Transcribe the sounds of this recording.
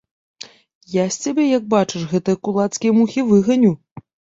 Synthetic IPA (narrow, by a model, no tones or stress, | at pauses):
jasʲt͡sʲabʲɛjɐɡ̚bat͡ʂɨʂɣɛt̪ɨjɐkulˠat̪skʲijɐmuxʲivɨɣɐnʲu